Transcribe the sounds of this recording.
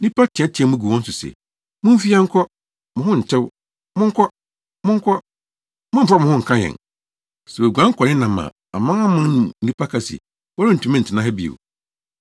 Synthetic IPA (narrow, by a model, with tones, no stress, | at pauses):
ĩ˦pʰa˦tʰɪ̃˨ɛ˦tʰi˨ɛ̃˨˦mʊ̃˦ɡu˨wɔ̃˦n̩˦sʊ˨sɛ̰˨ | mʊ̃˦fi˦a˦ŋ̩˦kʰɔ˦ | mʊ̃˨hʊ̃˦˨n̩˨tʰɪ˦w | mʊ̃˦ŋ̩˦kʰɔ˦ | mʊ̃˦ŋ̩˦kʰɔ˦ | mʊ̃˦m̩˨fa˦˨mʊ̃˨hʊ̃˦ŋ̩˨kʰã˦jɛ̰̃˨n | sɛ˨wɛ˨ɡʷã˦ŋ̩˦kʷʰɔ˨nɪ̃˦nã˨mã̰˨ | a̰˨mã˦a˦mʊ̃˦nʊ̃˨n̩˦nĩ˦pʰa˦kʰa˨sḭ˨ | wɔ˦ɾɪ˦n̩˨tʰũ˨mɪ̃˦n̩˨tʰɪ˨nã˦ɦɛ˦bi˦˨ḛ˨